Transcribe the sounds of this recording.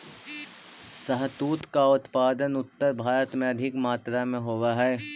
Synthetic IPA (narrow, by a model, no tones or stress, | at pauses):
sɐɦt̪uːt̪kaʊt̪paːd̪ənʊt̪ːəɾbʱaːɾət̪mẽɐd̪ʱɪkmaːt̪ɾamẽɦoːwaɦɛː